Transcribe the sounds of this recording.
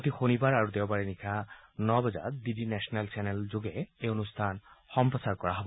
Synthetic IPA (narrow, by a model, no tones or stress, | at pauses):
ot̪ixonibaɹaɹud̪ewbaɹɛnikʰanɔbɔza̰d̪idinɛsɔnɛlsɛnɛlzoɡɛejonust̪ʰanxɔmpɹɔsaɹkɔɹaɦɔbɔ